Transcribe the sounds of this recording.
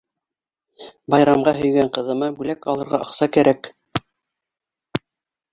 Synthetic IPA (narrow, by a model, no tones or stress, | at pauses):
bɑjɾɑmʁɑɦɵ̆jɡæɴqɤ̆ðɤ̆mɑbʉlækɑlˠɤ̆ɾʁɑʔɤ̆qsɑkæɾæk